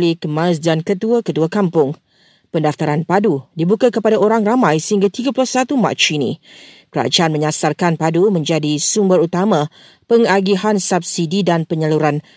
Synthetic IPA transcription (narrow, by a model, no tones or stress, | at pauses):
likəmãs̬dankət̪uakət̪uakampʊŋ | pəndaft̪aɾanpadudibukakəpadaoɾaŋramãjsəɦiŋɡat̪iɡapulʊhsat̪uma̰t͡ʃinḭ̃ | kəɾa̰d͡ʒaanmə̃ɲasarkanpadumə̃ɲd͡ʒadisumbəɾut̪amã | pəŋaɡiɦansap̚sididanpəɲəluɾan